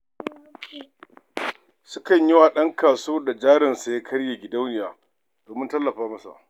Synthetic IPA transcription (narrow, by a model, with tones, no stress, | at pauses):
sʊ˦kɐ˨ɲjɪ˦waː˨ɗɐ˦ŋkaː˨soː˦da˨d͡ʒaː˦ɾɪ˨nsa˨ja˦kʰɐ˦ɽja˨ɡʲɪ˨da˦wnɪ˨jaː˨ | d̥oː˨mɪ˦ntɐ˦lːɐ˨ɸaː˦mɐ˦sa̰˨ʔ